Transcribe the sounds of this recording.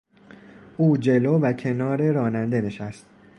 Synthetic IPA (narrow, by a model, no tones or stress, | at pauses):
ʔuːd͡ʒe̞loːvæcʰe̞nɒːɾe̞ɾɒːnænd̪e̞ne̞ʃæst̪̚